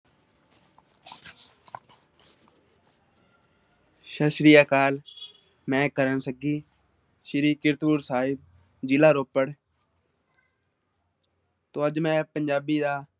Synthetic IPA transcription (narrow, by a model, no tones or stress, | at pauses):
ʃəʃɾijaːkaːl | mɛ̃ːkəɾənsəɡiː | ʃɪɾiːkɪɾt̪puːɾsaːɪb̚ | d͡ʒɪlaːɾoːpəɽ | t̪oːəd͡ʒmɛ̃ːpəɲd͡ʒaːbiːd̪aː